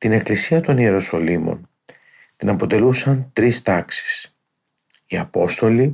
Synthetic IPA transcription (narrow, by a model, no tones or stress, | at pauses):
t̪ine̞klisiɐt̪o̞nie̞ɾo̞so̞limo̰n | t̪inɐpo̞t̪e̞lusɐnt̪ɾist̪ɐksi̥s | iɐpo̞st̪oli